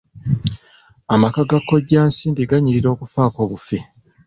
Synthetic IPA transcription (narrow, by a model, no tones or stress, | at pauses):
amakaɡakːo̞ɟaːnsiːndiɡaɲiɾiɾo̞ːkufaːko̞ːβufi